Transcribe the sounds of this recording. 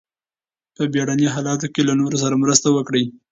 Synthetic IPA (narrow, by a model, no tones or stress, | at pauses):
pəbjɑɽanjiɦɑlɑt̪̬okelanoɾos̬aɾamɾəst̪awəkɽəj